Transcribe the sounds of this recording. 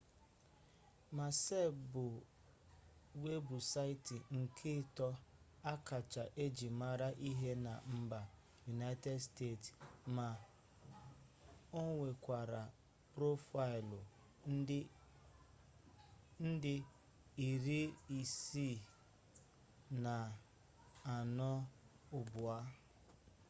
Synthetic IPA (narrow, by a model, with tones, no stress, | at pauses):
ma˨se˦˨bʊ˨ | we˦bu˨sa˦ɪ˦tɪ˨ŋ̩˨kʰɪ˦˨tɔ˦ | a˦ka˨t͡ʃa˨ʔe˦d͡ʒi˨ma˦ɾa˦ʔi˦ɦe˦na̰˨m̩˦ba˨ | ju˨na˦ɪ˦te˦dste˦˨tma˨ | o˦ŋʷe˨kʷa˨ɾa˨ | pɾo˦fa˦ɪ˨lʊ˨˦ | n̩˦dɪ˦ | i˨ɾi˦i˨si˦˨ | na˨ | a˨nɔ˦ | ʊ˦bʊ˨a˦